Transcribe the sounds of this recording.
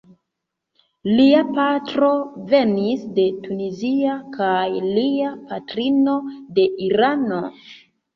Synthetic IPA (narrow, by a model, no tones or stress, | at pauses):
liapatɾo̞ve̞nisde̞tuniziakajliapatɾino̞de̞ʔiɾano̞